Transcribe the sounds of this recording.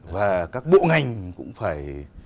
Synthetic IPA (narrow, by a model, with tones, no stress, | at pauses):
vaː˨˩kaː˦˥k̚ɓo̰˧˨ŋa˨˩jŋ̟kʊ̰˧˥ŋ͡mfaː˧˩j